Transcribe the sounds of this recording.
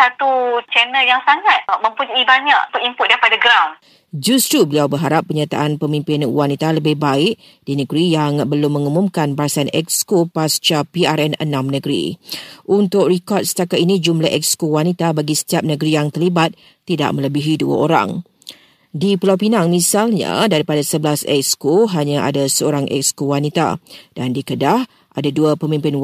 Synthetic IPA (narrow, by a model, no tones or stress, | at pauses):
sat̪ut͡ʃɛnəljaŋsaŋat̪̚mə̃mpuɲuibaɲakpunimpʊt̚daipadaɡɾawn | d͡ʒust̪ɾubəliawbəɦaɾapːəɲat̪a̰ʔanpəmĩmpɪnwanit̪aləbɪhbaɪʔ | d̥inə̃ɡɾijaŋbəlʊmːə̃ŋumũmkanbaasanʔɛ̰k̚skopast͡ʃapiaɾɛnə̰nãmnəɡɾḭʔunt̪ʊʔɾikɔt̪̚sə̥t̪akat̪inĩd͡ʒumlahʔɛ̰k̚skowanit̪abaɡisə̥t̪iap̚nəɡɾijaŋt̪ərlibat̪̚ːida̰ʔ̚mə̃ləbiɦidua̰oɾa̰ŋ | dipəlawpinaŋmĩsalɲa̰daɾipadasəbəlasɛ̰k̚skoɦaɲãʔa̰dasəoɾaŋʔɛ̰kskowanit̪a̰d̥andikədah | ʔadaduapəmĩmpɪn